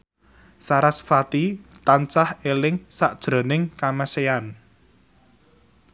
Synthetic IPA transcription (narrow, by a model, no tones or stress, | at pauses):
saɾasfat̪it̪ant͡ʃahelɪŋsaʔd̥ʒ̥ɾo̤nɪŋkaməsean